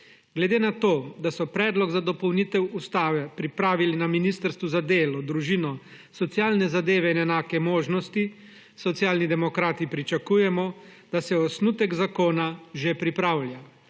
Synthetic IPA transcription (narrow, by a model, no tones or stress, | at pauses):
ɡlɛd̪eːnat̪oːd̪asɔpɾɛːd̪lɔɡzad̪ɔpɔwnit̪ɛwust̪aːʋɛpɾipɾaːʋilinaminist̪əɾst̪ʋuzad̪eːlɔd̪ɾuʒinɔ | sɔt̪sjaːlnɛzad̪eːʋɛinɛnaːkɛmoːʒnɔst̪i | sɔt̪sjaːlnid̪ɛmɔkɾaːt̪ipɾit͡ʃakujɛmɔd̪̥asɛɔsnut̪ɛɡzakoːnaʒepɾipɾaːwlʲja